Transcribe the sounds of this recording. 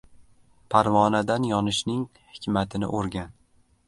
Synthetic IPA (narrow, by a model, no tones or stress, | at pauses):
pʰaɾvɒnad̪anjɒnɪʃnɪŋ | hɪkʲmat̪ʰɪnɪ̰ʔoɾɡʲan